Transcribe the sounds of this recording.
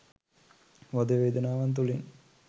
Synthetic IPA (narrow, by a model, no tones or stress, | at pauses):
ʋad̪əʋeːd̪ənaːʋant̪̬uliŋ